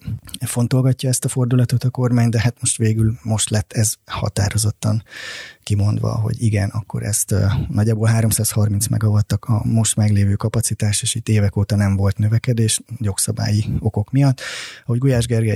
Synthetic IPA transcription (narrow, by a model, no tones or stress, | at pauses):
fo̞nt̪olɡɒcːɒɛst̪ɒfo̞rd̪ulɒt̪o̞t̪ɒko̞rmaːɲd̪ɛɦat̪mo̞ʃt̪ʋeːɡylmo̞ʃt̪lɛt̪ːɛzhɒ̰t̪a̰ːɾo̞zo̞t̪ːɒŋkimo̞nd̪ʋɒ̰ɦo̞̰ɟiɡɛnɒkːo̞̰ɾɛ̰st̪nɒɟːaːboːlɦaːɾomsaːshɒrminsmʔɛ̰ɡɒvɒt̪ːɒkɒ̰mo̞ʃt̪mɛɡleːvøːkɒpɒt̪sit̪aːʃeːʃit̪ːeːvɛkoːt̪ɒnɛɱvo̞lt̪nøvɛkɛd̪eːʃjo̞ksɒba̰ːjio̞ko̞kmijɒt̪ːɒho̞ɟɡojaːʒɡɛrɡɛ